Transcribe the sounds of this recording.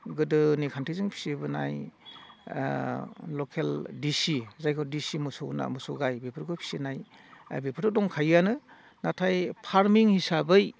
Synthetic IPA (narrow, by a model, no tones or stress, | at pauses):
ɡɯdɯnikʰantʰizɯŋpʰi̥sibɯna̰j | lɔkʰeldisizajkʰɔdisimɯso̰wna̰musɔɡajbepʰɯɾɡʰɯpʰi̥sinaj | bepʰɯɾdɔdɔŋkʰajanɯ | natʰajpʰaɾmiŋhisabɯj